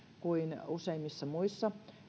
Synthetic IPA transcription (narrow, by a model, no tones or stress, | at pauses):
kuinuseimːisːɑmuisːɑ